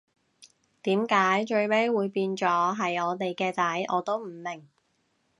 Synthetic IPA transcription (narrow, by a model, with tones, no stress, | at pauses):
t̪iː˨˥mkaː˨˥jt͡ʃɵ˧ɥme˥jwuː˨˧jpiː˧nt͡sɔː˨˥ɦɐ˨jɔː˨˧t̪e˨jkɛː˧t͡sɐ˨˥jʔɔː˨˧t̪o˥wm̩˨˩mɪ˨˩ŋ